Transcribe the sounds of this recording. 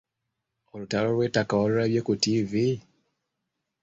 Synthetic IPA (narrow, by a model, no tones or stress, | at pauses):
olutalolwe̞ːtakawalulaβjekutivi